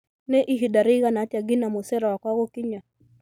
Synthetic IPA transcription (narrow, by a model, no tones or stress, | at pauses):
nɛʔiɦidaɾiɣanataɡinamɔsɛɾawakwaɣɔkiɲa